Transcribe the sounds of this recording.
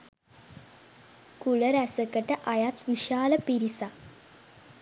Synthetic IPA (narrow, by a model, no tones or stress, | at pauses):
kuləɾæsəkəʈəʔajat̪ʋiʃaːləpiɾisa